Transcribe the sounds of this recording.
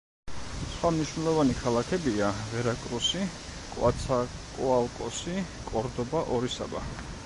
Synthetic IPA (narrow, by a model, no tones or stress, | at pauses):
sχwamniʃwnɛlˠɔvanikʰalˠakʰɛbiavɛɾakʼɾusi | kʼwa̰t̪sʰakʼualˠkʼɔsi | kʼɔɾd̪ɔbaʔɔɾisa̰ba̰